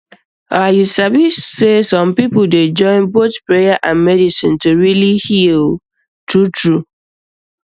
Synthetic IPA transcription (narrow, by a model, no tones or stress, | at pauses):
ajusabissesɔ̃mpipʊl̩ded͡ʒɔ̃ɪ̃nbotpɹejaʔãnmɛdisɪ̰̃ntuɹilihil | tutɹu